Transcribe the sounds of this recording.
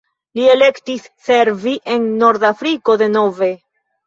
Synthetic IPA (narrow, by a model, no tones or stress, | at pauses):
lie̞le̞ktisːe̞ɾviʔe̞nːo̞ɾdafɾiko̞de̞no̞ve̞